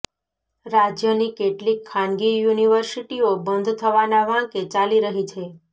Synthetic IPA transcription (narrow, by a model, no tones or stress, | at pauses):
ɾad͡ʒjənikeʈlikʰːanɡijuniʋəɾsiʈiobənd̪ʱt̪ʰəʋanaʋãket͡ʃaliɾəɦit͡ʃʰe